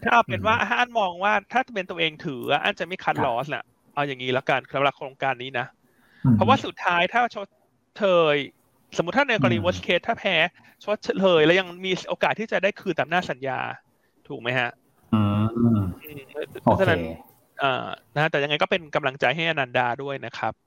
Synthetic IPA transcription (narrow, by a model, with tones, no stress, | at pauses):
kʰaː˥˩˧pʰie˨˩ə˦nwaː˥˩ʔa˧˥ʔaː˥˩nmɔː˧ŋwaː˥˩t̪ʰaː˥˩t̪a˧pi˧nt̪u˧ʔeː˧ŋt̪ʰɯː˩˦a˧˩ʔa̰ː˥˩nt͡ɕa˨˩ma˥˩jkʰa˦˥t̪̚lɔː˦˥sna̰˨˩ | ʔa˧wja˨˩ŋːiː˦˥lɛ˦˥ka˧nsa˦la˧˥kʰɾoː˧ŋkaː˧nːiː˦˥na˦˥ | pʰɔ˦˥waː˥˩su˨˩t̪ʰːaː˦˥jt̪ʰaː˥˩t͡ɕʰo˦˥t̪̚ | t͡ɕʰɤː˧j | so˨˩˦m˦t̪ʰːaː˥˩neː˧kɔ˧ɾiː˧˩woː˦˥skʰeː˦˥t̪ʰːaː˥˩pʰɛː˦˥ | t͡ɕʰo˦˥t̪̚t͡ɕʰlʰɤː˧jlɛː˦˥wja˧ŋmiː˧ʔoː˧kaː˨˩t̪ʰːiː˥˩t͡ɕa˨˩daː˥˩jkʰɯː˧nt̪a˨˩mnaː˥˩sa˩˦nja̰ː˧ | t̪ʰuː˨˩k̚ma˦jha˦˥ʔː | ʔɯː˧m˦˥pʰɔ˦t͡ɕʰa˧˨na˦˥n | ʔa̰ː˨˩na˦˥a˦˥t̪ɛ˨˩ja˧ŋːa˧jkɔː˥˩pe˧nka˧mla˧ŋt͡ɕa˧jɦa˥˩jʔa˧naː˧ndaː˧du˥˩əjna˦˥kʰa˦˥p̚